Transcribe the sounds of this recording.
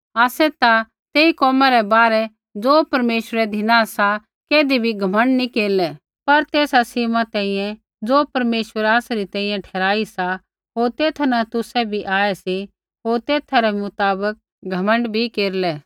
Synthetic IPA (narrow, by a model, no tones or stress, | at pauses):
aːsɛt̪a | t̪eːikɔːmaɾɛbaːɾɛ | d͡zoːpɐɾmeːʃəɾɛd̪ʱɪnãsa | keːd̪ibʱiɡʱɐmə̃ɳɖnikeːɾlɛ | pɐɾt̪eːsasimat̪ɛ̃ːĩːjɛ̃ | d͡zoːpɐɾmeːʃwəɾaːsaɾit̪ɛ̃ːĩjɛ̃ʈʰɛːɾaːisa | ɦoːɾt̪eːt̪ʰanat̪ʊsɛbʱiʔaːɛsi | ɦoːɾt̪eːt̪ʰaɾɛmʊt̪aːbək̚ | ɡʱɐmə̃ɳɖbʱikeːɾlɛː